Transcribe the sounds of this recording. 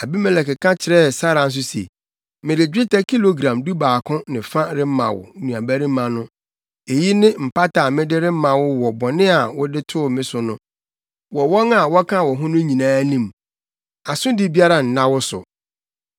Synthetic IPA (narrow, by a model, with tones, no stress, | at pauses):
a˨bi˦mɛ˨lɛ˨kɪ˨kʰã˦t͡ɕʰɪ˨ɾɛ˦˨sa˦ɾã˨n̩˦s̬ʊ˦sḛ˨ | mɪ̃˨ɾɪ˨d͡ʑᶣɪ˦ta˦kʰi˦lo˨ɡɾã˨mdu˦baː˨kʰʊ̃˦nɪ̃˨fã˦ɾɪ˦m̩˦mã̰˨wʊ̰˨˦nũ˨a˨bæ˦ɾĩ˦mã˨nʊ̃˦ | e˨ji˦nɪ̃˦m̩˨pa˦tʰa˨mɪ̃˦dɪ˦ɾɪ˦m̩˦mã˨wʊ˦wɔ˨bɔ˨nɪ̃˦a˨wʊ˦dɪ˦tʰʊ˦˨mɪ̃˦sʊ˨nʊ̃˦ | wɔ˨wɔ˦na˨wɔ˦kʰã˦˨wɔ˨ɦʊ̃˦nʊ̃˦ɲĩ˨nãː˦nĩ˨m | a˨sʊ̃˦dɪ˦bi˦a˦ɾa˨n̩˨nã˦wʊ˦sʊ̰˨